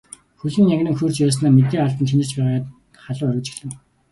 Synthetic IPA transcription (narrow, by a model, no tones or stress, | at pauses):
xɵɮɘ̆ŋjæŋɡnɘ̆ŋxuːr̥t͡ɕpæːs̬naːmet̪̬eːaɮt̪ə̆nt͡ɕʰinɘ̥̆t͡ɕpæːʁaːt̪ | χaɮʊːœɾʲʊ̆ːt͡ɕɪ̥̆xɮɘ̆ŋ